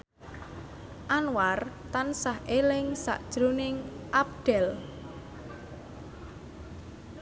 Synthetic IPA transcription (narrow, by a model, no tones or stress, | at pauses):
ʔanwart̪ansahʔelɪŋsa̰ʔd̥ʒ̥ɾonɪŋʔap̚ɖ̪̥ɛl